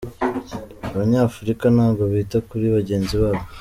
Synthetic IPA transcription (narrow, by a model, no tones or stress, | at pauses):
aβaɲaːfuɾikanaːɡo̞βiːtakuɾiβaɟe̞ːnziβaːβo